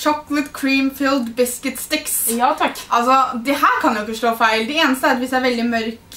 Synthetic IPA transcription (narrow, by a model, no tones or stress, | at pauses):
ʂɔklət̪kʰɹiːmfiːld̪bɪskət̪st̪ɪksjɑt̪ʰɑkʔɑlsɔd̪ɛhæːɾkʰɑnjɪʊɪkːəʂɭoːfæɪld̪ɛeːnəst̪əæɾt̪ʋɪsæːɾʋɛld̪ɪmœɾk